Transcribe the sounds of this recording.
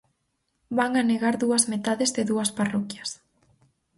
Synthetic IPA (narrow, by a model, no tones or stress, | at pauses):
baŋaneɣaɾðuɐzmet̪aðezðɪðuɐsparɔkjɐs